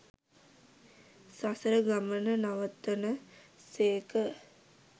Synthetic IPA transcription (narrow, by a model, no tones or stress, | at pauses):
sasəɾəɡamənənaʋət̪ːənəseːkə